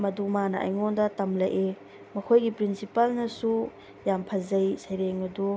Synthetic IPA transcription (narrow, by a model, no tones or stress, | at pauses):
mɐdumanɐʔɐ̰jŋondɐtɐmlɐ̰jʔe | mɐkʰojɡipɾinsipalnɐsu | jampʰɐzɐjsɐjɾeŋɐdu